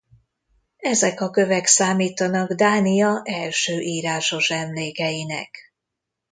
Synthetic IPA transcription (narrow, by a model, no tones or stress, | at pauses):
ɛzɛkɒkø̞vɛksaːmiːt̪ɒnɒɡd̪aːnijɒʔɛlʃøːʔiːɾaːʃo̞ʃɛmleːkɛjinɛ̰k